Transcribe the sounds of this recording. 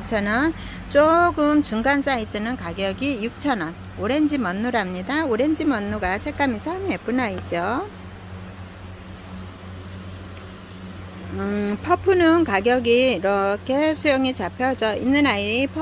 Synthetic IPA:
t͡ɕʰʌnʌn | t͡ɕ͈oɡɯmt͡ɕuŋɡansʰait͡ɕ͈ʌnɯnkaɡjʌɡijuk̚t͡ɕʰʌnʌn | oɾe̞nd͡ʑimʌnːuɾamɲidaoɾend͡ʑimʌnːuɡasʰe̞k͈amis͈ʰamep͈unait͡ɕ͈o | ɯpʰʌpʰunɯnkaɡjʌɡiːɾʌkʰe̞sʰujʌŋit͡ɕapʰjʌd͡ʑʌinːɯnaiɾipʰ

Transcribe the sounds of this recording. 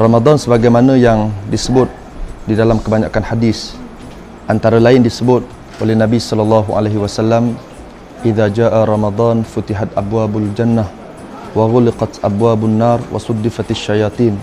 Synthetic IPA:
rɑmad̪ˤɑnsəbaɡajmanəjaŋdisəbʊt̪̚ | didalamkəbaɲakanħadis | ʔant̪aɾalaɪndisəbʊt̪̚ | ʔolɛhnabisɔlɑlːɑɦuʔa̰leɦiwasalːam | ʔiðad͡ʒaːʔaɾˤɑmad̪ˤɑːnfut̪iɦat̪ʔa̰bwaːbald͡ʒanːah | waɣʊlɪqɑt̪ʔabwaːbʊnːaːrˤwa̰sud̪ːɪfat̪aʃːajɑt̪ˤiːn

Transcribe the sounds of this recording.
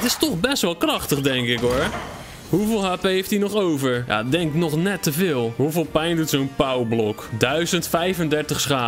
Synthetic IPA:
ətɪstɔxbɛstʋɔlˠkrɑxtəxdɛŋkɪkoɹ | huvɪːlˠɦaːpəeftinɔχowvəɹja̰dɛŋknɔxnɛtːəvɪːlˠhuvɪːlˠpɛjndutsownpawblɔkdœɥzəntfɛjvəndɛrtəxsχaː

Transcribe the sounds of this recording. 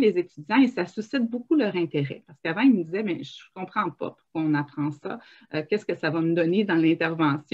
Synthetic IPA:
lezet̪yd̪d͡zjɑ̃esasysɪt̪̚bokulœːʁɛ̃t̪eʁɛ̰paʁsə̥kavɑ̃ilməd̪izɛbɛ̃ʒəkɔ̃pχɑ̃pɔ̰pu̥ʁkwaɔ̃napχɑ̃sʌ̰ | økʲɛskəsavaməd̪ɔned̪ɑ̃lɛ̃t̪ɛʁvɑ̃sjɔ̃

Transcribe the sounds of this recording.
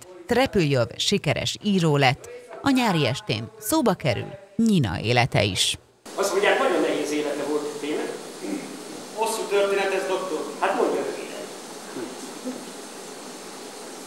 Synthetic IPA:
t̪rɛpyljovʃikɛɾʔɛ̰ʃiːɾoːlɛt̪ːɒɲaːɾiɛʃt̪ḛːnsoːbɒkɛɾy̰l | ɲinɒ̰ʔḛːlɛt̪ɛ̰ḭʃ | ɒst̪mo̞ɲɟjaːkmɒjonːɛɦeːseːlɛt̪ɛvo̞lt̪t̪ːeːnɛ | hosːuːt̪ørt̪eːnɛt̪ɛzd̪o̞kt̪orhat̪mo̞ɲɟɒøvḛːlɛ̰t̪

